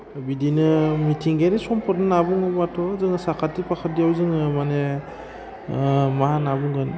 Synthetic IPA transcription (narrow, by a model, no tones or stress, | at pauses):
bidinɯmitʰiŋɡenisɔmpʰɔt̚nɯnabuŋɡɯmatʰɔzɯŋɯsakʰatːipʰakʰat̚dijawzɯŋɯmane | maɦanabuŋɡɯn